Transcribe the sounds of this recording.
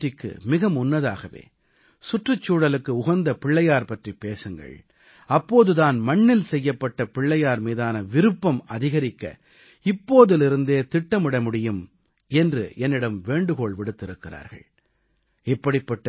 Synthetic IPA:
ɪkːɯ̰mɪɣɐmʊnːɐðaːɣɐʋḛː | sʊʈrɯt͡ʃːuːɽɐlɯkːɯʊɣɐnd̪ɐpɪɭːɐjaːɾpɐʈripeːsɯŋɡɐ̰ɭ | ɐpːoːðɯðaːnmɐɳːɪlsɛjːɐpːɐʈːɐpɪɭːɐjaːɾmiːðaːnɐʋɪɾɯpːɐmɐðɪɣɐɾɪkːɐ̰ | ɪpːoːðɯlɪɾɯnd̪eːt̪ɪʈːɐmɪɽɐmʊɽɪjɯm | ɛndrɯ̰ʔɛnːɪɽɐmʋeːɳɖɯɣoːɭʋɪɽɯt̪ːɪɾɯkːɪra̰ːɾɣɐ̰ɭ | ɪpːɐɽɪpːɐʈːɐ

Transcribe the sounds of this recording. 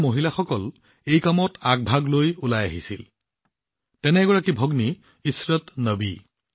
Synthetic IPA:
moɦilaxɔkɔl | ejkamɔtaɡ̚bʱaɡlojulajaɦisil | tɛnɛɡɔɹakibʱɔɡni | isɹɔtnəbḭ

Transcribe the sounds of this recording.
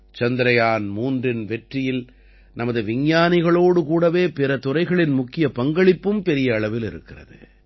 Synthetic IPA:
t͡ʃɐnd̪ɪɾɐjaːnmuːndrɪnʋɛʈrɪjɪl | nɐmɐðɯʋɪɲjaːnɪɣɐɭoːɽɯkuːɽɐʋeːpɪɾɐt̪ʊrɐɪɣɐɭɪnmʊkːɪjɐpɐŋɡɐɭɪpːɯmpɛɾɪjɐːɭɐʋɪlɪɾɯkːɪrɐ̰ðɯ̰

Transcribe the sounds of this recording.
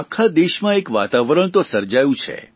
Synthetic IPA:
akʰːad̪eʃmãekʋat̪aʋɾəɳ̃t̪osəɾd͡ʒajũt͡ʃʰḛ

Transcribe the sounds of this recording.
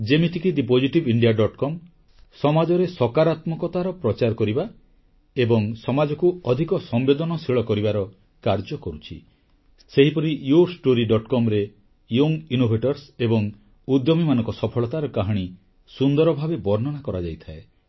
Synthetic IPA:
d͡ʒemiʈʰikiɖipod͡ʒiʈibiɳɖiaɖɔʈkɔm | sɔmad͡ʒɔɾesɔkaɾat̪mɔkɔt̪aɾɔpɾɔt͡ʃaɾɔkɔɾiba | ebɔŋsɔmad͡ʒɔkuɔd̪ʱikɔsɔmbed̪ɔnɔsiɭɔkɔɾibaɾɔ | kaɾd͡ʒɔkɔɾut͡ʃʰḭ | seɦipɔɾijuɾsʈoɾiɖɔʈkɔmɾe | joŋinobʱeʈɔɾsebɔŋ | ud̪jɔmimanɔ̃ŋkɔsɔpʰɔɭɔt̪aɾɔkaɦɔɽ̃i | sund̪ɔɾɔbʱabebɔɾnɔnakɔɾad͡ʒajt̪ʰae

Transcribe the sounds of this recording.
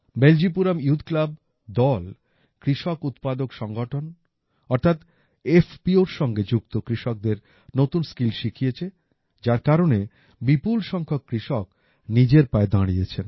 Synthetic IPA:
beld͡ʑip̬uɾamjud̪klab | d̪ɔl | kɾiʃɔkut̪pad̪okʃɔŋɡoʈʰon | ɔɾt̪ʰat̪ | efʰpioɾʃɔŋɡed͡ʑukt̪okɾiʃɔk̚d̪eɾ | not̪unskilʃikʰijet͡ɕʰe | d͡ʑaɾkaɾone | bipulʃɔŋkʰokːɾiʃɔk̚ | nid͡ʑeɾpaed̪ãɽ̃iet͡ɕʰen

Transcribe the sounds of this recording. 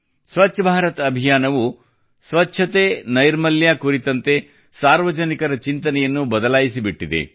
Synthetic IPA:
sʋɐtːʃʰɐbʱaːɾɐt̪ɐbʱijaːnɐʋu | sʋɐtːʃʰɐt̪enɐjɾmɐljaːkuɾit̪ɐnt̪e̞ | saːɾʋɐd͡ʒɐnikɐɾɐt͡ʃint̪ɐnɛjɐnːubɐd̪ɐlaːjisibiʈːid̪ḛ

